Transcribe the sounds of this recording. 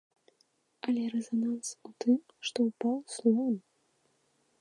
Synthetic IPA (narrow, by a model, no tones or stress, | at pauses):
ɐlʲɛɾɛzanansut̪ɨm | ʂt̪ɔupawslˠɔn